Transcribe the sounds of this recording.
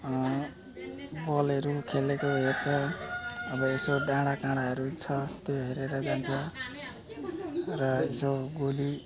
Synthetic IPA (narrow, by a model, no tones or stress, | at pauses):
bʌleɾukʰelekoɦert͡sʰʌ | ʌbʌesoɖãɽakãɽaɦʌɾut͡sʰʌt̪joɦeɾeɾʌd͡zant͡sʰʌ | rʌesoɡuli